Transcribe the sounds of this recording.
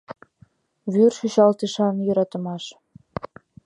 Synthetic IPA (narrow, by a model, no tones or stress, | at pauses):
βyrʃyɕɑlt̪eʃɑnjɤɾɑt̪ə̆mɑʃ